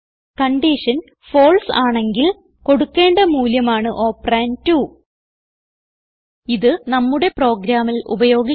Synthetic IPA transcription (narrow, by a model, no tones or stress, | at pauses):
kɐɳɖiʂɐn | fo̞ːɭsaːɳe̞ŋɡil | ko̞ɽukːe̞ːɳɖɐmuːljɐmaːɳɨʔo̞ːpraːntu | iðɨnɐmːuɽe̞pro̞ːɡɾaːmilṵbɐjo̞ːɡi